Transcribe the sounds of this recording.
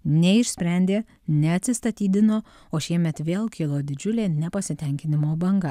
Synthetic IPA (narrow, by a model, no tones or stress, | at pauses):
nʲɛɪʃʲsʲpʲɾʲɛnʲd̪ʲeː | nʲɛɐt̪ʲsʲɪst̪ɐt̪ʲiːd̪ʲɪnoː | oːʃʲiɛmʲɛt̪ʋʲeːlˠkʲɪlˠoːd̪ʲɪd͡ʒʲʊlʲeːnʲɛpɐsʲɪt̪ʲɛŋʲkʲɪnʲɪmoːbɐŋɡɐ